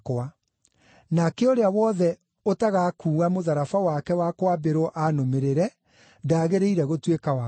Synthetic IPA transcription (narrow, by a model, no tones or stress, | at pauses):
kwa | nakeoɾeawɔðɛ | otaɣakuːɣamoðaɾafawakɛwakwabeɾoʔanomeɾeɾɛ | daːɣeɾeiɾɛɣotwekawa